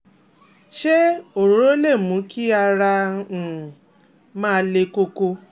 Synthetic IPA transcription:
ʃe˦o˨ɾo˨˦ɾo˦le˦˨mũ˨˦kʰi˦a˧ɾã˧˨ | mãː˦˧˦le˧ko˧ko˧

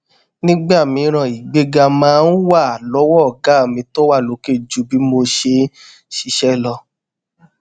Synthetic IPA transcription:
nĩ˦ɡ͡ba˦˨mĩ˧˦ɾ̃ã˨i˨ɡ͡be˧ɡa˧mãː˦˧n̩˦wa˦˨lɔ˨˦wɔ˦˨ɡa˨˦˨mĩ˧to˦wa˦˨lo˨˦ke˦˨d͡ʒu˨˦bi˨˦mo˧ʃe˧ | ʃi˧ʃɛ˦˨lɔ˧

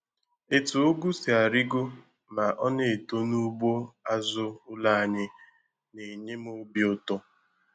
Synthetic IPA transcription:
e˦tʊ˨o˦ɡu˦si˨a˨ɾi˦ɡo˦ | ma˨ʔɔ˦ne˦˨e˨to˦nu˦bo˦a˦zʊ˦ʊ˦la˦a˨ɲɪ˦ | ne˨ɲe˦m˦o˦bi˦ʊ˦tʊ˦

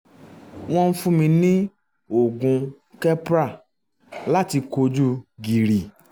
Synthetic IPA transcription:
w̃ɔ̃˧n̩˦fũ˦mĩ˧nĩ˦ | o˦˨ɡũ˨˧ | kɛ˦pɾa˦˨ | la˦ti˧ko˧d͡ʒu˦ɡi˨ɾi˨

